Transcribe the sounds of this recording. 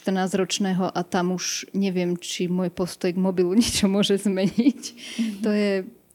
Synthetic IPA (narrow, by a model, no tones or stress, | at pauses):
t̪r̩naːzɾɔt͡ʃnɛːɦɔʔat̪amuʃɲɛʋɪɛmt͡ʃimʊɔjpɔst̪ɔjɡmɔbiluɲɛt͡ʃɔmʊɔʒɛzmɛɲict̪ɔjɛ